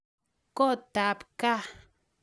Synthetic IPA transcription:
kɔ˦˨t̪a˨pka˦˨

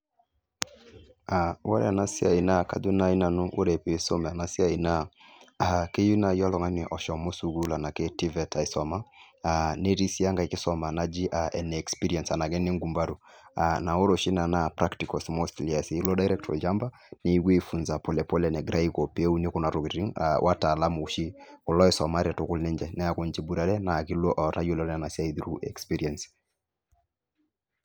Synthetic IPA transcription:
awa̰˦ɾɛ̰a˨na˦si˦a˨i˨na˦˨ka̰˨du˦na˦i˦na˨nu˦ʔṵ˦ɾɛ˨pi˨˦sɔ˦mɛ˨a˨na˨si˦a˨i˨na˦ake˦ju˦na˨jɔ˦lɔ˨ŋa˦ni˨ʔɔ˨ʃɔ˨mɔ˦su˨ɡu˦la˨na˨kɛ˦ti˦vɛ˨tʰa˨i˨sɔ˨ma˦ | ane˦ɾi˦si˦ja˦ŋɡa˨i˨ki˦sɔ˦ma˨na˨d͡ʒi˦ʔa˨ɛ˨n˨ɛ˨kspi˦ɾiɛ˨nsa˨na˨ɡɛ˦ni˦ŋɡu˨mba˦ɾu˨ana˨ɔ˦ɾɔ˨ʃi˦na˨napɾaktikɔsmɔstlia˨si˦lɔ˦da˨jɾɛ˦k̚tʰɔ̰˨d͡ʒa˦mba˦ | ne˦ɡwe˦fu˨nza˨pɔlɛ˨pɔ˦lɛnɛ˨ɡɾa˦ikɔ˨pe˦u˦ni˦kɔ˦na˨ɾɔkiɾi˦ŋa̰wʔa̰˦taː˨la˦mu˨uʃi˦kɔ˨lɔ˦ɛsɔ˨ma˦ɾɛtʊ˨kʊ˦lnɛ˦ɲd͡ʒɛ˨nɛ˦akɔ˦nd͡ʒi˨bu˦ɾa˦ɾɛ˦na˨ki˦lɔ˦ʔɔ˨ɾa˦jiɔ˦lɔna˨na˨siaiðɾuʔɛ̰˨kspiɾiɛns

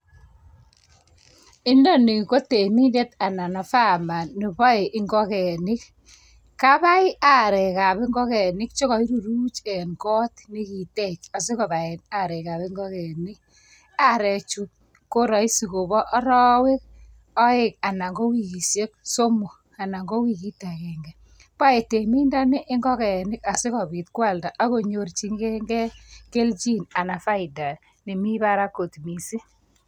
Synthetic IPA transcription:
ɪ˦ndɔ˦ni˨ko˦te˨ni˦nde˦ta˨na˨na˨fa˦ma˨nːi˨bɔ˦e˨ʔɪ˦ŋɡɔ˦kɛ˨nɪ˦k | ka˦ba˦ɪ˦ʔa˦˨ɾɛ˨ka˨bɪ˦ŋɡɔ˦kɛ˨nɪ˦k̚t͡ʃo˦ɣɔ˨i˦ɾu˨ɾu˦t͡ʃɛ˨nkɔ˦tni˦ki˨tɛ˦˨t͡ʃa˨s̬e˦kɔ˨ba˨e˨na˨ɾɛ˨ka˨be˦ŋɡɔ˦kɛ˨nɪ˦k̚ | a˦ɾɛ˨t͡ʃu˨ | ko˦ɾɔ˨i˦si˨ko˨bɔ˦ʔɾɔ˦we˦k̚ | ɔ˦ɪ˦˨k̚a˨na˨ŋɡo˦wi˨ki˨sje˦kso˦mo˨ | a˨na˨ŋɡo˦wi˦ki˦ta˨kɛ˨ŋɡɛ˨ | pa˦e˨te˨mi˦nda˦nɪ˦ʔɪ˦ŋɡɔ˦kɛ˨nɪ˦ka˨sɪ˦kɔ˨bi˨tkwa˦˨lda˨ʔa˦ko˨ɲo˨rt͡ʃi˦ŋɡɛ˦ŋɡɛ˦ke˦lt͡ʃi˦na˨na˨fa˦ɪ˨da˨ | ne˨mi˦ba˦ɾa˦ko˨tmi˨si˦

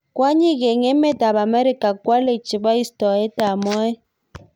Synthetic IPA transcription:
k̬ʼwa˦ɲi˦˨k̬ɛ˨ŋɛ˦mɛ˦da˨ɓa˨mɛ˦ɾi˦kʼa˨kʼwa˦le˨t͡ʃi˨ɓa˦i˦stɔ˨ɛ˦ta˨mɔ˦ɛ˦

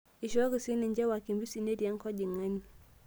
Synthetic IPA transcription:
i˨ʃa˦ɣisi˦nɛ˨ɲd͡ʒɛ˦wa˨ki˨mbi˦si˦nɛ˦ɾi˨a˦ŋkɔ˦ʄi˨ŋa˦ni˨

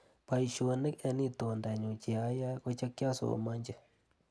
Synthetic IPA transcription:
pa˨i˨ʃo˨nɪ˦kɛ˧ni˦to˨nda˨ɲo˨t͡ʃe˨a˦ja˦ko˦t͡ʃa˦kja˦so̰˨ma˦ɲd͡ʒɪ˨

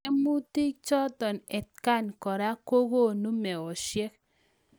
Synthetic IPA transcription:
e˦mu˦ti˦k̚t͡ʃɔ˦tɔ˨nɛ˨t̚ka˦˨nkɔ˨ɾa˦ko˦ɡo˦˨nu˦mɛ˨ɔ˨ʃjɛ˦k̚

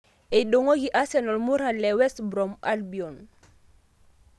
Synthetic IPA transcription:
e˨ɗo˨ŋo˦ɡi˨ʔa˦sɛ˨nɔ˨lmu˦ɾa˨lɛ˨wɛ˦stbɾɔ˨ma̰˦lbi˨ɔ˨n

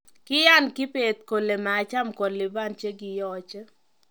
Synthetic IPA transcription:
kɪ˦ja˦nkɪ˦pe˨t̪̚ko˨le˨maː˨t͡ʃa˦mkɔ˨lɪ˨ba˦nt͡ʃje˦ɡɪ˨jɔ˦t͡ʃə˦

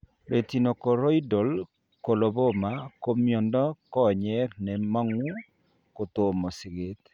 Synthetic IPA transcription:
ɾe˨ti˨no˨kɔ˨ɾɔ˦i˦do˨l | ko˨lo˨bo˦ma˨˦ko˦mjɔ˨ndɔ˦kɔ˦˨ɲɛ˦nɛ˨ma˦ŋu˦ | ko˨t̪o˨mɔ˨sɪ˨ɡe˦t̪

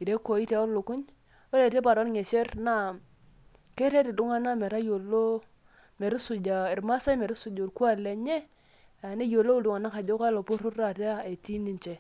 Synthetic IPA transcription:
i˨ɾe˦ko˨i˦te˨˦o˦lo˨ku˦ɲ | o˦ɾe˨te˦pa˨ɾo˦ɾŋe˨ʃe˦ɾna˦˨ | ke˦ɾe˦ɾi˨du˦ŋa˦na˦me˨ɾa˦jo˨lo˦ | me˨ɾi˦su˨d͡ʒa˨i˨ɾma˦sa˦me˨ɾi˦su˨d͡ʒo˨ɾku˦a˦˨le˨ɲe˦ | a˨ne˦jo˨lo˦˨du˨ŋa˨na˦ka˨d͡ʒo˦ka˦lo˨pu˦ɾu˦a˨te˦a˦e˨ti˦ni˨nt͡ʃe˨

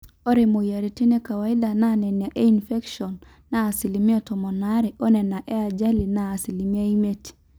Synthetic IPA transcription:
ɔ˦ɾe˨mo˨ia˨ɾi˨ti˦nɛ˦ka˨wai˦ɗa˨nanɛ˨na˨ʔe˦infɛ˦kʃɔnː | aː˨si˨limi˦a˦tɔ˨mɔ˨naɾi˨ʔɔ˦nɛ˨na˨ʔɛ˦a˨d͡ʒa˦linaː˨si˨li˨mi˦a˦imɛ˦ti̥

